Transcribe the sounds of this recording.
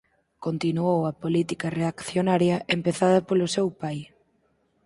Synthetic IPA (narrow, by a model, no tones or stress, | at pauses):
kont̪inuowɐpolit̪ikɐreakθjonaɾjɐʔempeθaðɐpolʊsewpaj